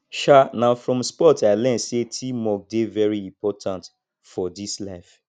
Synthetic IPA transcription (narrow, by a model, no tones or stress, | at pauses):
ʃanãfɹɔ̃mspɔtaɪlɛ̃nsetʰimɔk̚devɛɹiĩmpʰɔtʰãnt | fɔdislaɪf